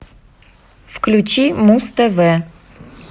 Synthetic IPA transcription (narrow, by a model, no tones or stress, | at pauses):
fklʲʉt͡ɕimust̪əvɛ